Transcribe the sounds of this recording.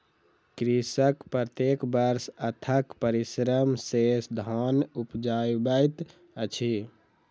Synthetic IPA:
kɾisəkpɾət̪jekbəɾsət̪ʰəkpəɾisɾəmsesd̪ʱɔnupd͡ʒajbəjt̪ | ət͡ʃʰi

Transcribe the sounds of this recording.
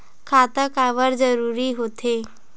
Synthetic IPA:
kʰat̪əkaʋəɾd͡zəɾuɾiːɦot̪ʰe

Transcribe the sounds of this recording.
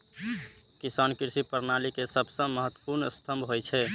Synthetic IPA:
kisaːnkiɾsipəɾnalikesəbʱsə̃məɦət̪wə̥puɾnəst̪ʰəmbɦojt͡ʃʰɛ

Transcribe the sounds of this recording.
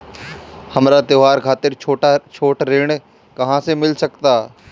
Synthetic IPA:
hɐmɾat̪joɦaːɾkʰaːt̪ɪɾʰoːʈat͡ʃʰoːʈɾeːɽ̃ | kɐɦãsemɪlsɐkt̪aː

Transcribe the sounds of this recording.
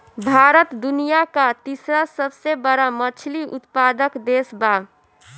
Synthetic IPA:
bʱaɾət̪d̪unijakat̪isɾasəbsebəɾamət͡ʃʰliʔut̪pad̪əkd̪esba

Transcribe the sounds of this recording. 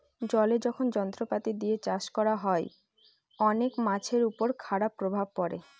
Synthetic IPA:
d͡ʑɔled͡ʑɔkʰond͡ʑɔnt̪ɾopat̪id̪iet͡ɕaʃkɔɾaɦɔe | ɔnekmat͡ɕʰeɾupoɾkʰaɽapːɾobʱab̚pɔɾḛ

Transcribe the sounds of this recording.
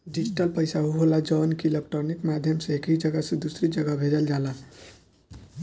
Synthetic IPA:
ɖid͡ʒiʈəlpəjsaɦuɦolad͡ʒɔnkilekʈəɾnikmad̪ʱjəmseekɦid͡ʒəɡasẽd̪usɾid͡ʒəɡabʱeɾəld͡ʒala

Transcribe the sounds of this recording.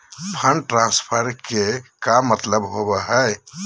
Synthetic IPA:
pʰəɳɖʈɾãnspʰəɾkekamːət̪ləbɦobəɦəj

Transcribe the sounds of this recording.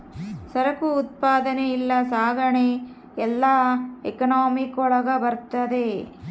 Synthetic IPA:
sɐɾɐkuːt̪̚paːd̪ɐneilːɐsaːɡʱɐɳe | ɛlːaekɐnaːmikɔɭɐɡɐbɐɾt̪ɐd̪e̞

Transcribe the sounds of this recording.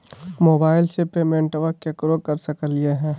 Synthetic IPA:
moːbaːɪlsepeːmẽɳʈəʋəkːekɾokɐɾsɐkəlieɦɛ̃ː

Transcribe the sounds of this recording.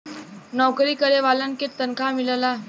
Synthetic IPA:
nɔkɾiːkəɾeʋalanket̪ənkʰamilla

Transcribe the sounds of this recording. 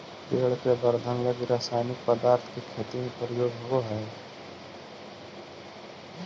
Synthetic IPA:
peːɭkebəɾd̪ʱənləɡiɾaːsaːɪnɪk̚pəd̪aːɾt̪ʰkekʰet̪iẽpəɾjoːɡɦooɦɛː

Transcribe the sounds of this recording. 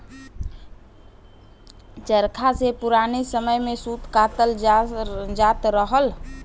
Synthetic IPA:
t͡ʃəɾkʰasepuɾanesəməjmesut̪kat̪əl | d͡ʒat̪ɾəɦəl

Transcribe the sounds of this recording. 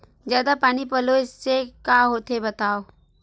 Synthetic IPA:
zjaːd̪apaːnipəloɪsːekaɦoːt̪ebət̪aːo

